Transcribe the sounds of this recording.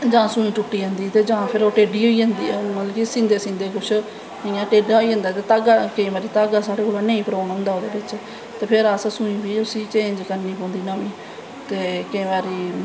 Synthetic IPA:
d͡ʒãːsũːĩːt͡ʃʊʈːiːə̃ːnd̪iːt̪eːd͡ʒãːpʰɪɾoːʈeːɖiːɦoːiːɦə̃ːnd̪ḭːɛːmət̪ləkisĩːnd̪eːsĩːnd̪eːkʊt͡ʃʰ | ɪãːʈeːɖaːɦoiːə̃ːnd̪aːt̪eːt̪aːɡaːkəĩːbaːɾiːt̪aːɡaːsaːɽeːkoːlãːnẽːĩːpəɾãːnɦʊ̃ːnd̪aːoːd̪eːbɪt͡ʃ | t̪eːpʰɪɾəssũĩːbiːʊsiːt͡ʃẽːɲd͡ʒkəɾniːpõːnd̪iːnaiː | t̪eːkəĩːʋaːɾiː

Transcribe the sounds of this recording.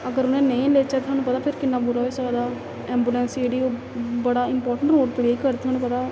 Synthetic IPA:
əɡəɾʊnẽːnəĩːleːt͡ʃɛːt̪ʰʊwaːnũːpət̪aːpʰɪɾkɪnːãːbuɾasaːd̪aː | ɛːmbuːlɛ̃ːnsd͡ʒeːɽiːoː | bəɽaːɪmpɔːɾʈə̃ɳʈnoːʈpleikəɾt̪ʰʊaːnũːpət̪aː

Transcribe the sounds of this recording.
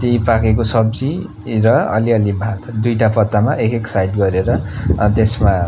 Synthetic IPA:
t̪eĩpakekosʌbd͡zi | ɾʌʌ̰liʌlibʱat̪ʰd̪ujʈapʌt̪ːamaʔekeksajʈɡʌɾeɾʌt̪esma

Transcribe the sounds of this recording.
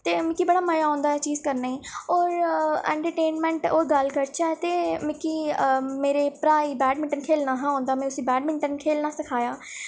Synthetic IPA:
t̪eːmɪkiːbəɽaːməjaːõːnd̪aːɛːt͡ʃiːzkəɾnaːiːoːɾɛ̰̃ːɳʈəɾʈeːnmɛ̃ːɳʈoːɾɡəlkəɾt͡ʃʰaːɛːt̪eːmɪkiːmeːɾeːpɾaːiːbɛːɖmɪ̃ɳʈənkʰeːlnaːɦãːõːnd̪aːmɛ̃tʊsĩːbɛːɖmɪ̃ɳʈənkʰeːlnaːsɪkʰaːjaː

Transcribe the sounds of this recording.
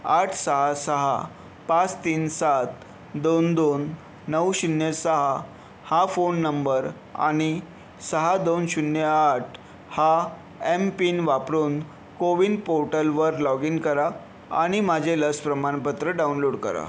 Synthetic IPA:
aʈʰsəɦasəɦa̰ | pat͡st̪iːnsat̪ | d̪ond̪onː | əwɕunjesəɦa | hafonːəmbəɾ | a̰ɽ̃i | səɦad̪onɕunjəaʈʰ | ha | empinʋapɾuːn | koʋiːnpoɾʈəlʋəɾlɔɡinkəɾa | a̰ɽ̃imad͡ʑʱeləspɾəmaɽpət̪ɾəɖaunloɽkə̰ɾa̰

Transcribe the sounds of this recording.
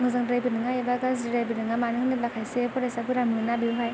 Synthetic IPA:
mɯzaŋdɾajbɯnɯŋaebaɡaz̬iɾajbɯnɯŋamanɯŋnɯlakʰajsepʰɔɾajsabɯɾamɯnabiuɦaj

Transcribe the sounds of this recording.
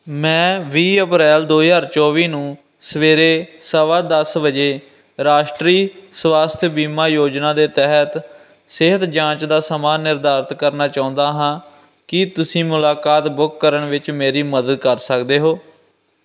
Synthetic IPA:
mɛ̃ːʋiːəpɾɛːld̪oːjaːɾt͡ʃɔːʋiːnũː | səʋeːɾeːsəʋaːd̪əsbəd͡ʒeː | ɾaːʃʈɾiːsʋaːst̪ʰjbiːmaːjoːd͡ʒnãːd̪eːt̪ɛɦət̪ | sɪɦət̪d͡ʒãːt͡ʃd̪aːsəmaːnːɪɾd̪aːɾt̪kəɾnaːt͡ʃaːʊ̃nd̪aːɦãː | kɪt̪ʊsĩːmʊlaːkaːt̪bʊkːəɾəɳʋɪt͡ʃmeːɾiːməd̪əd̪̚kəɾsəkd̪eːɦoː

